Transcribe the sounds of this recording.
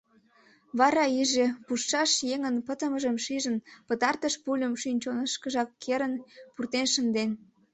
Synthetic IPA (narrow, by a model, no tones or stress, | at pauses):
βɑɾɑiʒepuʃːɑʃjeŋənpət̪əməʒəmʃiʒənpət̪ɑrt̪əʃpulʲəmʃynʲt͡ɕonəʃkəʒɑkːeɾənpurt̪enʃənd̪en